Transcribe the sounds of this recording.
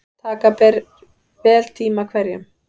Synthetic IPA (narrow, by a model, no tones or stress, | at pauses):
t̪ʰaːkapɛɾ | vɛːlt̪ʰiːmakʰvɛɾjʏm